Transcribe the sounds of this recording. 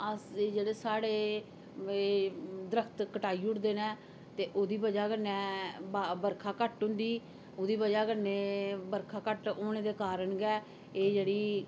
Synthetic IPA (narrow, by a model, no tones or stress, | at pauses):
əseːd͡ʒeːɽeːsaːɽeː | eːd̪əɾəkʰt̪kəʈaːiːʊʈd̪eːnɛ̃ː | t̪eːʔoːd̪iːbəd͡ʒaːkənːɛ̃ːbabəɾkʰaːkəʈɦʊ̃nd̪iː | oːd̪iːbəd͡ʒaːkəneːbəɾkʰaːkəʈoːñẽːd̪eːkaːɾəɳɡɛː | eːd͡ʒeːɽiː